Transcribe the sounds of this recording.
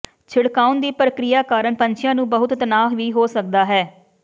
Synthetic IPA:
t͡ʃʰɪɽkaːʊnd̪iːpɾəkɾɪjaːkaːɾəɳpəɲt͡ʃʰɪjãːnũːbəɦʊt̪t̪ənaːɦʋiːɦoːsək̚d̪aːɦɛː

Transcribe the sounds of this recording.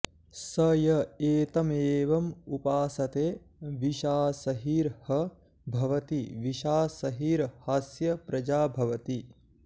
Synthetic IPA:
sɐjɐeːt̪ɐmeːʋɐmupaːsɐt̪eː | ʋiʃaːsɐɦiːɾhɐ | bʱɐʋɐt̪iʋiʃaːsɐɦiːɾhaːsjɐpɾɐd͡ʒaːbʱɐʋɐt̪i

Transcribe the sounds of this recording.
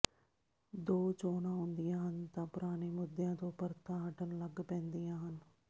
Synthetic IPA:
d̪oːt͡ʃoːnãːɦʊ̃nd̪ijãːɦənt̪ãːpʊɾaːneːmʊd̪jãːt̪õːpəɾt̪ãːɦəʈənləɡpɛ̃ːnd̪ijãːɦən

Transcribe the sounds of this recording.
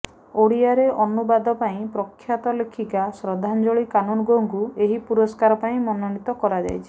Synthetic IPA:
oɽiaɾeʔɔnubad̪ɔpaĩpɾɔkʰːjat̪ɔlekʰikasɾɔd̪ʱand͡ʒoɭikanunɔɡoŋkueɦipuɾɔskaɾɔpaĩmɔnɔɽit̪ɔkɔɾad͡ʒa̰jt͡ʃʰi̥

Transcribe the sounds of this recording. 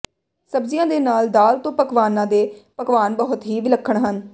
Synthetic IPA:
səbzɪjãːd̪eːnaːld̪aːlt̪õːpəkʋaːnãːd̪eːpəkʋaːnbɔɦʊt̪ɦiːʋɪləkʰːəɳɦən

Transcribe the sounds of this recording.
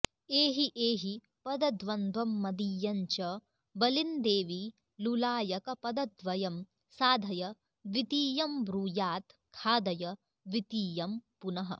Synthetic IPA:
eːɦiʔeːɦi | pɐd̪ɐd̪ʋɐnd̪ʱʋɐmːɐd̪ijːɐɲt͡ʃɐ | bɐlind̪eːʋi | lulaːjɐkɐpɐd̪ɐd̪ʋɐjɐm | saːd̪ʱɐjɐ | ʋit̪iːjɐmbɾuːjaːt̪kʰaːd̪ɐjɐ | ʋit̪iːjɐmpunɐɦɐ̰

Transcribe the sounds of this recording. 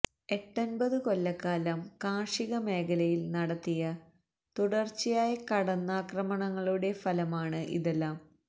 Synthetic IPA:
e̞ʈːɐnbɐðɨko̞lːɐkːaːlɐmkaːʂiɣɐme̞ːkʰɐlɐjilnɐɽɐt̪ːijɐ | t̪uɽɐrt͡ɕːijaːjɐkɐɽɐnːaːkrɐmɐɳɐŋːɐɭuɽe̞fɐlɐmaːɳɨʔḭðelːaːm

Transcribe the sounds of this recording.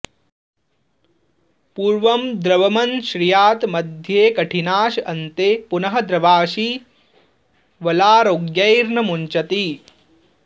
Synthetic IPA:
puːɾʋɐmd̪ɾɐʋɐmɐnʃɾijaːt̪mɐd̪ʱjeːkɐʈʰinaːʃɐnt̪epunɐɦɐ̆d̪ɾɐʋaːʃi | ʋɐlaːɾoːɡjɐjɾɳɐmuɲt͡ʃɐt̪i

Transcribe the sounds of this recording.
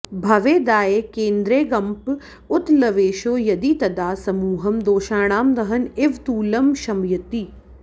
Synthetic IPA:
bʱɐʋeːd̪aːjekẽːnd̪ɾeːɡɐmp | ʊt̪lɐʋeːʃoːjɐd̪it̪ɐd̪aːsɐmuːɦɐmd̪oːʃaːɽ̃aːmd̪ɐɦɐnɪʋt̪uːlɐmʃɐmjɐt̪iː

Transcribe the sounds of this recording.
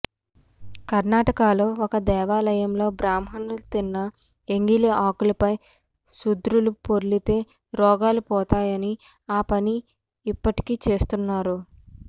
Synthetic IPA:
kɐɾnaːʈɐkaːlo̞ːɔkɐd̪ɛːʋaːlɐjɐmlo̞ːbɾaːmɦɐnult̪inːɐ | eŋɡiliʔaːkulɐpɐj | sud̪ɾulupoɾlit̪e̞ː | ɾɔːɡaːlupɔːt̪aːjɐni | aːpɐniː | pːɐʈi̥kiːt͡ʃe̞ːst̪unːaːɾu

